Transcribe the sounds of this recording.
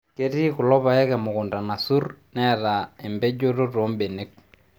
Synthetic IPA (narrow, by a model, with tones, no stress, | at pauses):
ke˦ti˦kʊ˨lɔ˦pa˨ɛ˦kɛ˨mʊ˨kʊ˨nda˨na˨su˦rnɛ˦raɛ˨mbɛ˦d͡ʒo˦ro˦ro˨˦mbe˨ne˦k̚